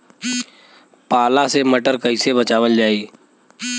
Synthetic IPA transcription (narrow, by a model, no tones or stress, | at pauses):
paːlaseməʈəɾkəisebət͡ʃaːʋəld͡ʒaːiː